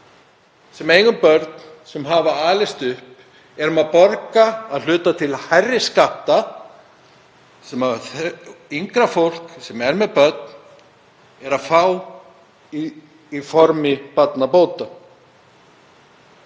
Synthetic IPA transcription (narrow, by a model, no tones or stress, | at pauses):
sɛmeːjɣʏmpœɾt̪nsɛmɦaːvaaːlɪst̪ʏhp | ɛɾʏmaðpɔɾkaːðl̥ʏːt̪at̪ʰɪlhajrːɪskaht̪a | sɛmaθiŋkɾafowl̥ksɛmɛɾmɛðpœɾt̪̚n | ɛɾaðfaːw | i | ifɔɾmɪpat̪napoːwt̪a